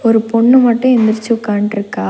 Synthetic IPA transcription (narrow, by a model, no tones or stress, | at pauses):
ɔɾɯpɔɳːɯmɐʈːʊ̃ɛnd̪ɪɾt͡ʃːɯkːaːɳʈɪɾɯkːaː